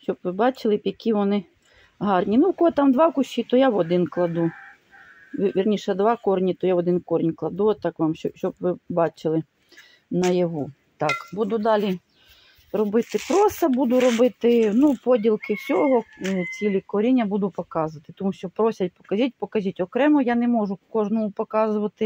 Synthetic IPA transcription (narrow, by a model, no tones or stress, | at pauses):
ʃt͡ʃɔbʋɪbɑt͡ʃɪlˠɪpjɐkʲiʋɔnɪ | ɦɑrnʲinukɔlˠɪt̪ɑmd̪ʋɑkʊʃʲit̪ɔjaʋɔd̪ɪnklˠɐd̪u | ʋʲʋʲirnʲiʃɛd̪ʋɑkɔrnʲit̪ɔjaʋɔd̪ɪnkɔɾʲnʲklˠɐd̪ut̪ɑkʋɑmɔʃt͡ʃɔbʋɪbɑt͡ʃɪlˠɪ | nɐjɐɦu | t̪ɑkbud̪ʊd̪ɑlʲi | rɔbɪt̪ɪpɾost̪ɐbud̪ʊɾɔbɪt̪ɪnupɔdʲilˠkɪwsʲɔɦɔt͡sʲilʲikɔɾʲinʲːɐbud̪ʊpɔkɑzʊʋɐt̪ɪ̥t̪ɔmuʃt͡ʃɔpɾɔsʲɐt̚ʲpɔ̥kɐzʲit̚ʲpɔkɐzʲitʲɔkɾɛmɔjanɛmɔʒʊkɔʐnɔmʊpɔkɑzʊʋɐt̪ɪ